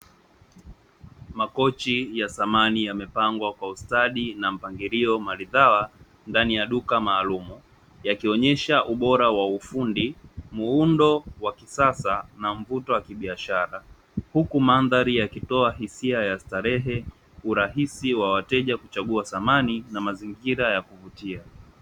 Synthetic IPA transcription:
makɔt͡ʃijasamanijamɛpaŋɡwakwaustaɗinam̩paŋɡiɾiɔmaliðawa | ndanijaɗukamaːlumu | jakiɔɲɛʃaʔuɓɔɾawaufundimuundɔwakisasanam̩vutɔwakiɓiaʃaɾa | hukumanðaɾijakitɔaɦisiajastaɾɛɦɛ | uɾaɦisiwawatɛʄakut͡ʃaɠuasamaninamaziŋɡiɾajakuvutia

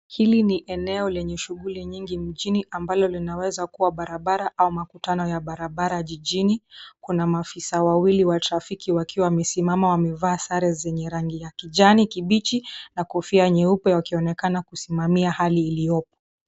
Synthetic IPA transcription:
hiliniʔɛnɛɔlɛɲɛʃuɠuliɲiŋɡim̩ʄiniʔambalɔlinawɛzakuwaɓaɾaɓaɾaʔaumakutanɔjaɓaɾaɓaɾaʄiʄinikunamaːfisawawiliwatɾafikiwakiwawamɛsimamawamɛvaːsaɾɛzɛɲɛɾaŋɡijakiʄanikiɓit͡ʃinakɔfiaɲɛupɛwakiɔnɛkanakusimamiahaliːliɔp̚ɔ̥

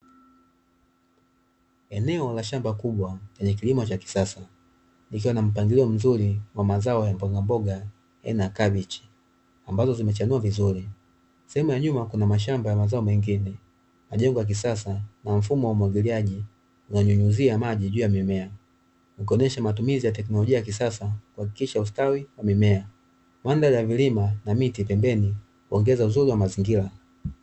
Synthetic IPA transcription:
ɛnɛɔlaʃambakuɓwat͡ʃɛɲɛk̬ilimɔt͡ʃaki̥sasa | nikiwanam̩p̬aŋɡiliɔm̩zuliwamazaɔjambɔɡambɔɡa | jɛ̰nakaɓit͡ʃi̥ | ambazɔzimɛt͡ʃanuavizuɾi | sɛhɛmujaɲumakunamaʃ̬ambajamazaɔmɛŋɡinɛ | maʄɛŋɡɔjak̬isasanaɱ̩fumɔwamwaɡiliaʄi | unaɲuɲuziamaʄiʄuːjamimɛa | nukiɔnɛʃamatumizijat̬ɛk̬nɔlɔʄiajak̬isasakuhaki̥kiʃaus̬tawiwamimɛa | mandalijavilimanamitipɛmbɛni | kuɔŋɡɛzauzuɾiwamaziŋɡila

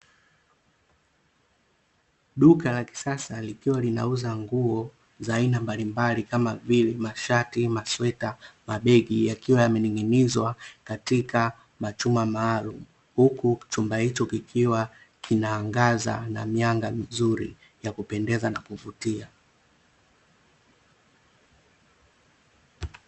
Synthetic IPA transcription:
ɗukalaki̥sasalikiwalina̰uzaŋɡuɔ | zaːinambalimbalikamavilɛmaʃatimaswɛtamaɓɛɡijakiwajamɛniŋinizwakatika | mat͡ʃumamaːlumu | hukut͡ʃumbahit͡ʃɔkikʰiwa | kʰinaːŋɡaza̰na̰miaŋɡamizuɾḭ | jakupɛndɛzanakuvutia

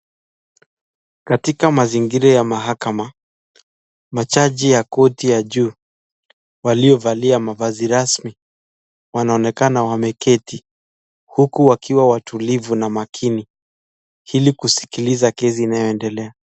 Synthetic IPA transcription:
katikamaziŋɡiɾajamaɦakama | mat͡ʃaʄijakɔtijaʄuː | waliɔvaliamavaziɾasmi | wanaɔnɛkanawamɛkʰɛti | hukuwakʰiwawatʰulivunamakʰini | hilikusi̥kilizakɛziːnajɔɛndɛlɛa

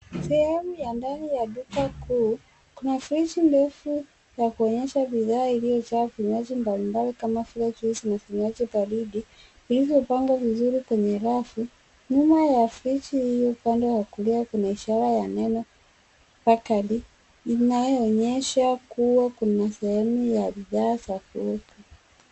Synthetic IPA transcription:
sɛhɛmujandanijaɗukakuː | kunafɾit͡ʃindɛfu | jakuɔɲɛʃaɓiðaːilijɔt͡ʃaafiɲwad͡ʒimbalimbalikamafilat͡ʃiisinafiɲuad͡ʒipaɾiɗi | ilivjɔpaŋɡwavizuɾikwɛɲɛɾafu | ɲumajafɾit͡ʃihijɔupandɛwakuliakunaiʃaɾajanɛnɔ | pakali | inajɔːɲɛʃakuwakunasɛhɛmujabiðaːsafuuku

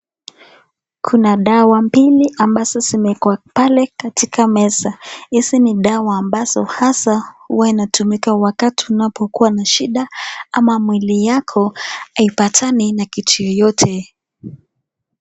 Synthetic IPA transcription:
kʰunaɗawambiliʔambazɔsimɛkuapalɛkatikʰamɛsaisiniɗawaːmbazɔhasahuwainatumikawakatiunapɔkuwanaʃiɗaamamwilijakʰɔaipatʰaninakitujɔjɔtʰɛ

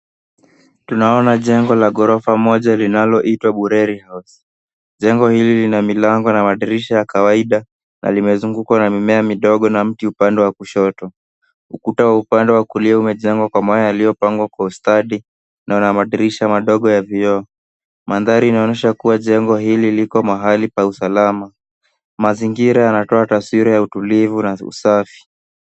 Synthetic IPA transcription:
tunaɔnaʄɛŋɡɔlaɠɔɾɔfamɔʄalinalɔʔitwaɓuɾɛɾihaus | ʄɛŋɡɔhililinamilaŋɡɔnamaɗiɾiʃajakawaiɗa | nʔa̰limɛzuŋɡukwanamimɛamiɗɔɠɔnam̩tiupandɛwakuʃɔtɔ | ukutawaupandɛwakuliaumɛʄɛŋɡwakwamɔjajalijɔpaŋɡwakwaustaɗi | nʔaanamaɗiɾiʃamaɗɔɠɔjaviɔ | manðaɾiːnaɔnɛʃakuwaʄɛŋɡɔɦililikɔmaɦalipausalama | maziŋɡiɾajanatɔataswiɾajautulivunaṵsafi̥

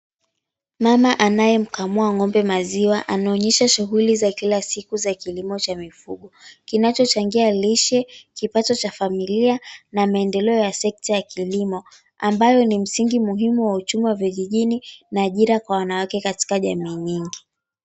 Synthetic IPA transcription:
mamaʔanajɛm̩kamuaŋɔmbɛmaziwaʔanaɔɲɛʃaʃuɣulizakilasikuzakilimɔt͡ʃamifuɠɔkinat͡ʃɔt͡ʃaŋɡialiʃɛkipatɔt͡ʃafamilianamaɛndɛlɛɔjasɛk̚tajakilimɔ | ambajɔnim̩siŋɡimuɦimuwaut͡ʃumiwaviʄiʄininaːʄiɾakwawanawakɛkati̥kaʄamiːɲiŋɡi

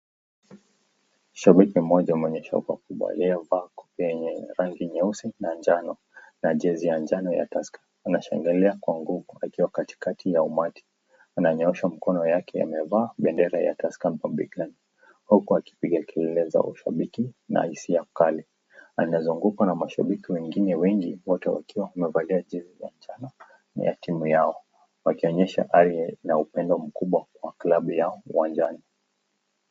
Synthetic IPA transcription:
uʃaɓikimɔʄamɛɔɲɛʃa̰kwakuɓa̰liavaːkɔ̥pijɛɲɛɾaŋɡiɲɛusinand͡ʒanɔ | naʄɛzijand͡ʒanɔja̰taskḁːnaʃa̰ŋɡɛlɛakwaŋɡuvuakiwakati̥katʰijaumati̥ | anaɲɔɛʃam̩kɔnɔjakɛja̰mɛvaːɓɛndɛɾaja̰taskamɔmɓiɡani | hukuaki̥piɠakɛlɛlɛza̰ʔuʃa̰ɓikina̰isiakalɛ | anazuŋɡukwanamaʃa̰ɓikiwɛŋɡinɛwɛŋɡiwɔtɛwa̰kiwahumɛvaliaʄiziza̰nt͡ʃana | ja̰timujaɔ | wakiɔɲɛʃa̰ʔaɾinaupɛndɔm̩kuɓwakwaklaɓujauwand͡ʒani

